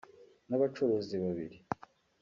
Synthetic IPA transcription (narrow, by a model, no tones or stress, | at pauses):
naβat͡ʃoɾoziβaβḭɾi